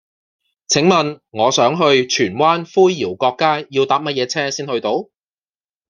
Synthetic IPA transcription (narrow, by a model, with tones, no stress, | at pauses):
t͡sʰɪ˨˥ŋmɐ˨nŋɔː˨˧sœː˨˥ŋɦɵ˧ɥt͡ʃʰyː˨˩nwaː˥nfuː˥jjiː˨˩wkɔː˧kːaː˥jiː˧wt̪aː˨˥p̚mɐ˥t̚jɛː˨˧t͡sʰɛː˥siː˥nhɵ˧ɥt̪o˨˥w